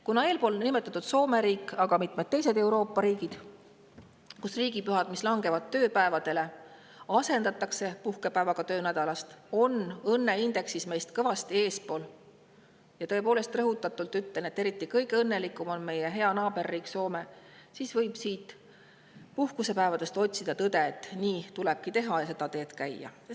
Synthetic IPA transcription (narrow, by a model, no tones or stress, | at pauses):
kunɑe̞ːlpo̞ːlnime̞t̪ːˑɑt̪ːˑud̪̥so̞ːme̞ɾiːkːˑɑɡ̥ɑmit̪med̪̚t̪ːe̞jse̞d̪̥e̞wɾo̞ːpːˑɑɾiːɡid̪̥ | kusriːɡipyɦɑd̪̥mislɑŋɡe̞vɑd̪̥̚t̪ːø̞ːpæe̞vɑd̪̥e̞le̞ | ɑse̞nd̪ɑt̪ːˑɑkse̞puhkepæevɑɡ̥ɑt̪ø̞ːnæd̪̥ɑlɑst̪o̞nɤnːe̞ind̪e̞ksisme̞jst̪kɤvɑst̪ie̞ːspo̞ːl | jɑt̪ɤ̞e̞po̞ːle̞st̪rɤɦut̪ːˑɑt̪ːˑult̪yt̪ːene̞t̪ːe̞ɾit̪ːˑikɤjkɤnːe̞likːˑumo̞nme̞jeɦe̞ɑnɑːb̥e̞rːiːkso̞ːme | siːsvɤjb̥siːt̪ | puhkuse̞pæevɑd̪̥e̞st̪o̞t̪ʲsid̪̥ɑt̪ɤd̪e̞ːt̪ːˑniːt̪ulɛb̥̚kit̪e̞ɦɑjɑse̞d̪̥ɑt̪e̞ːt̪kæjːɑ̰